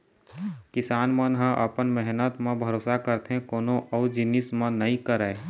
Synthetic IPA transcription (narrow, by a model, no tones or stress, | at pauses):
kɪsaːnmənɦə̃ʔə̰pənmɛɦnət̪mẽbʱəɾoːsakəɾt̪eɦẽkoːnõʔɔːd͡ʒɪnɪsmə̃nəĩkəɾəe